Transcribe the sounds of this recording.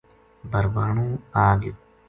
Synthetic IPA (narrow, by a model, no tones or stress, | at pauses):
bɐɾʋaːɳũːaːɡɪ